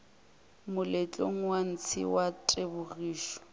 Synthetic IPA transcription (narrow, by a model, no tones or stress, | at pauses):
mʊlɛt͡ɬʼoŋ̩wan̩t͡sʰɪ̰watʼebʊriːʃɔ̥